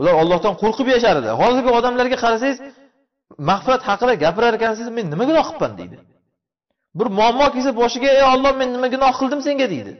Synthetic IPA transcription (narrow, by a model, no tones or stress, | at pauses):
ʊlaɾɒlˠːɒhd̪anqʰoɾqʰɨpjaʃaɾɪd̪ɪ̰hɒzɪɾɡʲɪɒd̪amlaɾɡʲaqʰɑɾasajɪz | maχfɪɾat̪hɑqɨd̪aɡʲapɪɾaɾkʲansɪzme̞nːɪmaɡʲɪnɒhqʰɨ̥pːa̰nd̪ḛjd̪ɪ | bʊɾmʊamːɒkʲes̬abɒʃɪɡʲaejɒlˠːɒhme̞nːɪmaɡʲɪnɒhqʰɨlˠd̪ɪmse̞ŋɡʲad̪ejd̪ɪ̰